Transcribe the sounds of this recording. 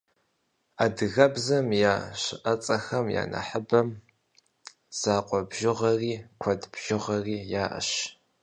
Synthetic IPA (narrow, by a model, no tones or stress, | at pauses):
aːdɨɣɐbzɐmjaːɕɪʔɐt͡sʼɐxɐmja̰ːnɐ̰ħəbɐm | z̥aːqʷʼɔbʒɪʁɐriːkʷʰɔdb̥ʒ̥ɪʁɐriːjaːʔɐ̰ʃ